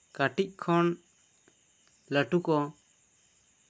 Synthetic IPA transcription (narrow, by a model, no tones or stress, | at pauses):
kaʈic̚ˀkʰɔn | ləʈukɔ